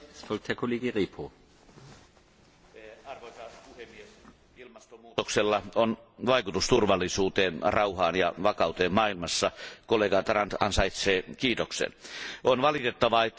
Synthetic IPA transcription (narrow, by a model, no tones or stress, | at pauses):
sfɔlk̚theɐkʰoleːɡəʁeːpʰo | ɑrʋoisɑspuhemːies | ilmɑst̪omuːt̪okselːɑonʋɑikut̪ust̪urʋɑlːˑisuːt̪eːnrɑuhɑːnjɑ̰ʋɑkɑˑut̪eːmmɑːilmɑsːɑkolːˑeɡɑt̪rɑnt̪ɑ̰nsɑit̪seːkiːt̪oksḛnʔonʋɑlit̪et̪ːɑʋɑet̪ː